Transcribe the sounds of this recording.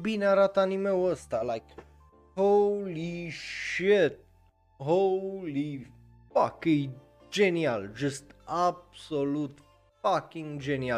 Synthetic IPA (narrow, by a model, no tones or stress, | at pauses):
binaɾat̪ɑnimɛwɔst̪alajk | holiʃɛt̪̚ | ɦoli | fakij | d͡ʒɛniald͡ʒʌst̪ab̥solut̪ | fakĩŋɡd͡ʒɛnia